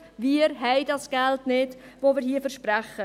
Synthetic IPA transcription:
viəɾɦɛɪdɑsɡ̥ɛltnɪd̥voːmɪːɾhiːfəɾʃpɾæχə

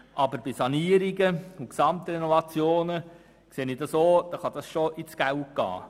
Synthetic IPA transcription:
ʔɑbəɾbisɑniːəɾiɡəʊksɑmt̪əinɔvɑt͡sjoːnə | kseːnid̥̪ɑsoːd̪̥ɑχɑd̥̪ɑsʃoʔɪt͡sɡ̥ælt̚ɡ̥ɑ̰ː

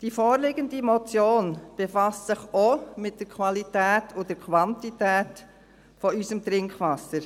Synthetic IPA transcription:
d̥ifoːɾlɪɡəndimɔt͡sjoːnb̥efɑssɪχomɪt̚d̥əɾkʰʋɑlitæːtʰʊd̥əɾkʰʋɑntitæːt | fɔysəmt̪ɾɪŋkʋɑsːəɾ

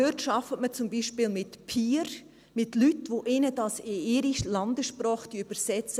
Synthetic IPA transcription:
øtʃɑfətmət͡sʊmbiːʃpɪlmɪtpʰiːɾ | mɪtlytʋoʔɪnədɑsɪɪɾiʃlɑndəsʃpɾɑːχd̥̪iyb̥əɾsɛt͡s

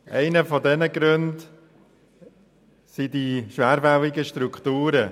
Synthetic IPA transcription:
ʔɛɪnəfɔdɛnəɡɾønd | sidiʃʋæːɾvɛwiɡəʃtɾuktuːɾə

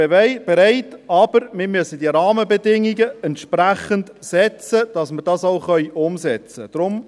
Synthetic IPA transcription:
b̥ɛɾæɪtɑb̥əɾmɪmyəsəd̥iəɾɑːməbɛdɪŋiɡəɛntʃpɾæχənt | sɛt͡səd̥ɑsməɾd̥ɑsɔʊχœʏʊmsɛt͡səd̥ɾʊm

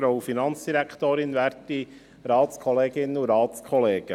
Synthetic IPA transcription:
fɾoʊfinɑnt͡sd̥̪iɾækʰt̪oːɾɪnʋæɾti | ɾɑːt̪t͡skʰɔleːɡɪnːəuɾɑːtskʰɔleːɡ̥ə

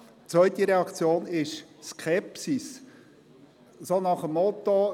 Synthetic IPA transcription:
t͡sʋœɥt̪iɾɛɑkt͡sjoːnɪʃskʰɛpsis | sonɑχəmːɔt̪o

